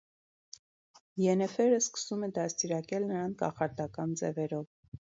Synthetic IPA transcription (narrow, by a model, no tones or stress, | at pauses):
jɛnɛfɛɾəskə̥sumɛd̪ɑst̪iɾɑkɛlnəɾɑnkɑ̰χɑɾt̪ɑkɑnd͡zɛ̰vɛɾɔv